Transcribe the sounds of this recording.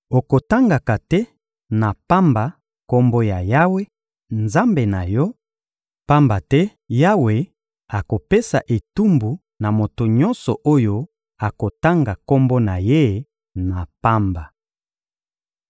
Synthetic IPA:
o˨ko˨ta˦ŋɡa˨ka˨tɛ˦ | na˨pa˦mba˨ | ko˦mbo˦ja˨ja˦we˦ | nza˦mbe˨na˨jɔ˦ | pa˦mba˨tɛ˦ | ja˦we˨ | a˨ko˨pe˦sa˨ʔe˨tu˦mbu˨ | na˨mo˨to˨ɲɔ˦nsɔ˨ʔo˦jo˦ | a˨ko˨ta˦ŋɡa˨ko˦mbo˦na˨je˦ | na˨pa˦mba˨

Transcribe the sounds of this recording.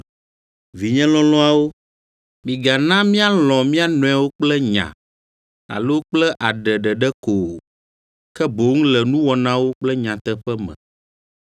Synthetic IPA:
vi˨ɲɛ̃˦lɔ̃˦lɔ̃˦a˨wo˦ | mĩ˨ɡa˨nã˦mĩ˦a˦lɔ̃˨mĩ˦a˦nɔ̃˨˦a˨wo˦k͡plɛ˦ɲã̰˨ | a̰˨lo˦wk͡plɛ˦ʔa˨ɖɛ˨ɖɛ˨ɖɛ˦ko˨ | kɛ˦bo˨˦ŋ˦lɛ˨nũ˦wɔ˨nã˦wo˦k͡plɛ˦ɲã˨t̪ɛ˦ɸɛ˦mɛ̰̃˨

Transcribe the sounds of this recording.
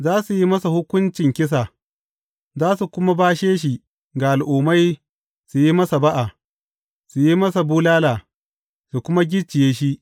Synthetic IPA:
zaː˦su˨ji˦mɐ˦sa˨hʊ˦kʷʊ˦nt͡ʃɪ˨ŋkʲɪ˦s̬a˨ | zaː˦su˨kʷʊ˦ma˦baː˦ʃeː˦ʃ̬i˨ | ɡa˨ʔa˨lʔuː˨ma˦j | su˨ji˦mɐ˦sa˨ba˦ʔa˨ | su˨ji˦mɐ˦sa˨buː˦laː˦laː˨ | su˨kʷʊ˦ma˦ɡʲɪ˦t͡ʃːɪ˨jeː˦ʃi˦

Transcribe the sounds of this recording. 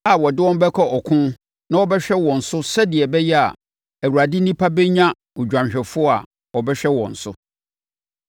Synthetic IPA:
a˨wɔ˨dɪ˦wɔ̃˦m˦bɛ˦kʰɔ˦ʔɔ˨kʰʊ̃˦ | nã˦wɔ˦bɛ˦ɕᶣɛ˦wɔ̃˨n̩˨sʊ˦sɛ˦dɪ˨ɛ˨bɛ˦jɛ˦a̰˨ | æ˨wu˨ɾa˨dɪ˦nĩ˦pʰa˦bɛ˦ɲã˦ | ʊ˨d͡ʑᶣã˨mɕᶣɛ˨fʊ˦ɔ˦a̰˨ | ɔ˨bɛ˦ɕᶣɛ˦wɔ̰̃˨n̩˨sʊ̰˦

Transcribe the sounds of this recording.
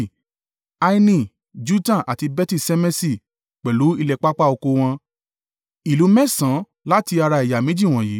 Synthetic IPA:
a˧i˧nĩ˧˨ | d͡ʒu˦tã˦˨ʔa˨ti˧bɛ˦ti˧˨sɛ˧mɛ˦si˦˨ | k͡pɛ˨lu˨˦i˧lɛ˨k͡pa˦k͡pa˦o˧ko˧w̃ɔ̃˧ | i˨lu˨˦mɛ̃˦˨sã˨˦ | la˦ti˧a˧ɾa˧i˨ja˨mĩ˨˦d͡ʒi˦˨w̃ɔ̃˨jiː˨˦

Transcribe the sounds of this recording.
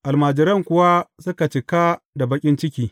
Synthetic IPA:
ʔa˨lmaː˨d͡ʒɪ˨ɾɐ˦˨ŋkʷʊ˨wa˦sʊ˦ka˨t͡ʃɪ˨ka˦ | da˨bɐ˦kʲʼɪ˦nt͡ʃɪ˦kʲiː˦

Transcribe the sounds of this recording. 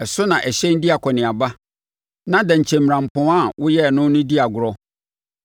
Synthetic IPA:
ɛ˨sʊ˦nã˨ʔæ˨ɕɛ̃˦n̩˦di˦a˨kʰɔ˨nɪ̃˨a˨ba˦ | nã˦dɛ̃˨ɲ̩˨t͡ɕʰɛ̃˨mː˨ɾã˨m̩˨pʰɔ̃˨˦a˦˨wʊ˦jɛ˦˨nʊ̃˦nʊ̃˦di˦a˨ɡʊ˨ɾɔ˦

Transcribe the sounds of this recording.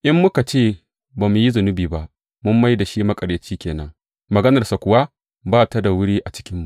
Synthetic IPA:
ʔɪ˦mːʊ˦ka˨t͡ʃeː˦˨ | baː˨mu˨ji˦zʊ˨nʊ˦biː˨ba˦ʔ | mʊ˦mːa˦jda˨ʃiː˦mɐ˦kʼɐ˨ɽjɐ˨t͡ʃiː˦kʲeː˨nɐ˦ŋ | mɐ˨ɡɐ˦nɐ˨rsa˨kʷʊ˨wa˦ | baː˦˨ta˦da˨wʊ˦ɽiː˦ʔa˨t͡ʃɪ̥˦kʲɪ˦mːu˨ʔ

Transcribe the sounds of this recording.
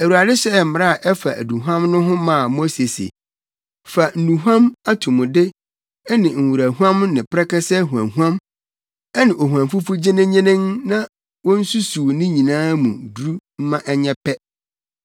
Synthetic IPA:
æ˨wu˨ɾa˨dɪ˦ɕɛ˦˨m̩˦m˨ɾa˦˨ʔɛ˦fa˨ʔæ̰˨du˨ɦã˦mnʊ̃˦ɦʊ̃˦mã˨mo˦se˨sḛ˨ | fa˨n̩˨nũ˨ɦʷã˦ma˦tʰũ˨mʊ̃˨dɪ˦ | ɛ˦nɪ̃˨ŋ̩˨wu˨ɾæ˨ɦu˦ã˦mnɪ̃˨pʰɾɛ˦kɛ˦sɛ˦ɦu˨ã˨ɦu˦ã˦m | ɛ˦nɪ̃˨ʔo˨ɦu˨ã˨mfu˦fu˦d͡ʑɪ˦nɪ̃˦ɲɪ̃˦nɪ̃˦ŋnã˦ | wɔ̃˦n̩˦su˦su˨nɪ̃˦ɲĩ˨nãː˦mũ˨du˨ɾu˦m̩˦mã˦ʔɛ˦ɲɛ˦pʰɛ˦

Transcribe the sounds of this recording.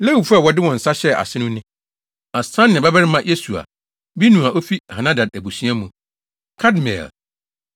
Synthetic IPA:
le˦hu˨fu˦a˦˨wɔ˨dɪ˦wɔ̃˨n̩˨sa˦ɕɛ˦a̰˨sɪ˦nʊ̃˦nɪ̃˦ | a˨sã˦nːɪ̃˨bɛ˦bɛ˦ɾɪ˦mã˦jʔe˦su˨a̰˨ | bi˦nũ˨a˨ʔo˦fi˦ha˨nã˦da˨dæ˨bu˨sɥ̃a˦mũ˨ | kʰa˦dmɛ̰̃˨l

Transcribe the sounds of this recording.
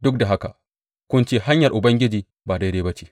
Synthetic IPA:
dʊ˦k̚da˨ɦa˦ka̰˨ | kʷʊ˦nt͡ʃeː˦ha˦ɲjɐ˨rʔʊ˨bɐ˦ŋɡʲɪ˦d͡ʒiː˨ | baː˨da˦deː˦bɐ˦t͡ʃe̥ː˨

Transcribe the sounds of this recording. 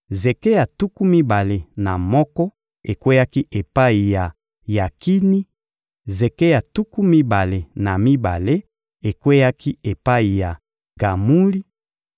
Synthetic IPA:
ze˨ke˦ja˨tu˦ku˦mi˦ba˨le˨na˨mɔ˦kɔ˦ | e˨kwe˦ja˦ki˦ʔe˨pa˦i˨ja˨ | ja˨ki˦ni˦ | ze˨ke˦ja˨tu˦ku˦mi˦ba˨le˨na˨mi˦ba̰˨le˦ | e˨kwe˦ja˦ki˦e˨pa˦i˨ja˨ | ɡ̥a˨mu˦li˦

